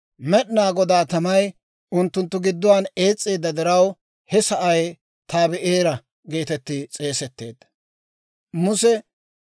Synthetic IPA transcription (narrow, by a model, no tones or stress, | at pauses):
mɛɗnaːɡɔd̪aːt̪ɐmɐj | ʊnt̪ːʊnt̪ːʊɡɪd̪ːʊwaːne̞ːt͡sʼːeːd̪ːɐd̪ɛɾɐw | hɛsɐʔɐj | t̪ʰaːbɛʔeːɾɐ | ɡe̞ːt̪ɛt̪ːɪt͡sʼe̞ːsɛt̪ːe̞ːd̪̥ | mʊsɛ